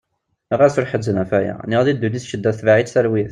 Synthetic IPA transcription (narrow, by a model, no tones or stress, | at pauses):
əʁæsəɾħəzːənæfæjæ̰niʁðid̪ːuniθʃəd̪ːæθvaʕit̪θælwiθ